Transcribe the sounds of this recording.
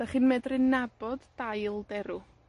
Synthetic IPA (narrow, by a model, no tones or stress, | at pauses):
d̥aχɨnmɛdrɪnabɔdːajlˠdɛɾu